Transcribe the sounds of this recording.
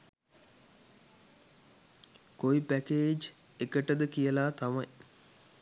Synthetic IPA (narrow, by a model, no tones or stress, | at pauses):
koipækeːd͡ʒ | ekəʈəd̪əkijəlaːt̪amaj